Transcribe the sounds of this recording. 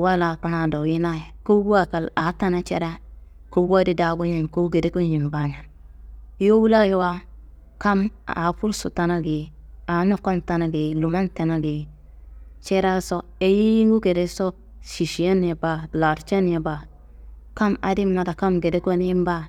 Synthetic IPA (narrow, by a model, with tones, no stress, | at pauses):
wa˦la˨ka˨ɾa˨do˨ji˦na˦je˨ko˦ɡu˦a˦ka˨la˨˦ta˦na˦t͡ʃḛ˦ɾa˦ | ko˦wa˦di˦da˨˦bo˦ɲe˦˨mko˦ɡe˨de˦ko˦nji˨m˨ba˦ɲa˨ | jo˦wu˦la˦ji˨wa˦ | ka˦ma˨fu˦lsu˨ta˦na˦ɡi˨ | a˨˦nu˦ko˦nta˦na˦ɡi˨lu˨ma˦nte˨na˦ɡi˨ | t͡ʃe˦ɾa˦so˦ | e˦ji˦ji˦ŋɡu˦ɡe˨ɾe˦so˦ | ʃi˨ʃi˨je˦n˦e˨ba˨la˨ɾt͡ʃe˦n˦e˨ba˨ | ka˦ma̰˨di˦m˦na˨ta˨ka˦mɡe˨de˦ko˦n˦i˦m˦ba˦